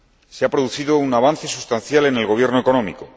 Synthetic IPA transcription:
seapɾo̞ðuθiðo̞unaβ̞anθe̞sust̪anθjale̞ne̞lɣo̞β̞je̞ɾnoeko̞nõ̞mḭko̞

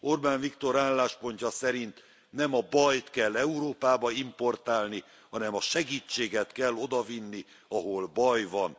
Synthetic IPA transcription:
orbaːnvikt̪o̞ɾaːlːaːʃpo̞ɲcɒsɛɾint̪ | nɛmɒbɒjt̪kɛlːɛuɾoːpaːbɒimpo̞rt̪aːlni | hɒnɛmɒʃɛɡiːt͡ʃːeːɡɛt̪kɛlːo̞d̪ɒvinːi | ɒɦo̞lbɒjvɒn

